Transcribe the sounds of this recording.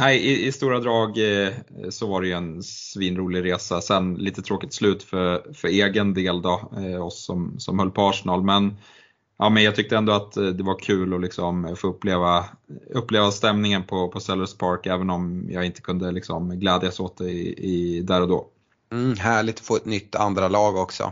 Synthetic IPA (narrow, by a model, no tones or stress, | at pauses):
hæɪɪɪst̪uːɾad̪ɾɑːɡ | sɔvaɾɛjɵɛnsviːnɾuːlɪɡɾeːsasɛnliːt̪ət̪ʰɾoːkɪ̥t̪slʉ̟ːt̪fœɾfœɾeːɡənd̪eːld̪ɑːɔsːɔmsɔ̰mhœlːpʰɔːʂɪnɑːlmɛn | ʔɑːmɛnjɑɡt̪ʰʏkt̪əɛnd̪ɔat̪d̪ɛvaɾkʰʉ̟ːlɔlɪksɔmfoːɵpːleːvaɵpːleːvast̪ɛmnɪŋənpʰɔpʰɔsɛlːəspʰaɾkɛːvənɔmjɑːɡɪnt̪ə̥kʰɵnd̪əlɪksɔmɡlɛːd̪jasoːt̪̚d̪ɛɪd̪æːɾɔd̪o̰ː | m̩ːɦæːɭɪɡt̪ɔ̥foːɛt̪nʏt̪ːa̰nd̪ɾalɑːɡɔksɔ̰